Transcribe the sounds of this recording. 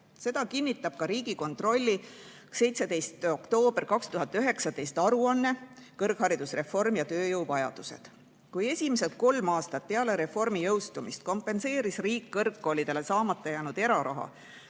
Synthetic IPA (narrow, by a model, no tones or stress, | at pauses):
se̞d̪̥ɑkinːit̪ːˑɑb̥̚kɑɾiːɡ̥iko̞nt̪ro̞lʲːi | se̞jt̪se̞d̪̥e̞jst̪o̞kt̪o̞ːb̥rkɑkst̪uɦɑt̪ːˑyɦe̞ksɑd̪e̞jst̪ɑɾuɑnːe̞kɤrɡ̥hɑɾid̪̥usre̞fo̞rmjɑt̪ø̞ːjɤwvɑjɑ̰d̪̥use̞̰d̪̥ | kuje̞sʲimese̞t̪̚ko̞lmɑːst̪ɑt̪̚peɑle̞ɾe̞fo̞rmijɤwst̪umist̪̚ko̞mpːˑe̞nse̞ːɾisriːkːɤrkːo̞ːlid̪̥e̞le̞sɑːmɑt̪ːˑɑjæːnud̪̥e̞ɾɑɾɑ̰ɦɑ̰